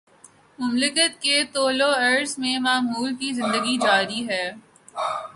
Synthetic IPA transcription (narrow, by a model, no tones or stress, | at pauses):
mʊmlɪkət̪ket̪oːloɐɾɖsmẽmaːɦuːlkizɪ̃nd̪əɡid͡ʒaːɾiɦɛː